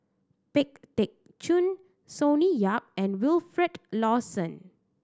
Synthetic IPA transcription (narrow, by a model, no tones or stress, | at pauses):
pɪk̚tɛk̚ | t͡ʃũn | sõnijap̚ɛ̃nwilfɹɛtlɔsə̃n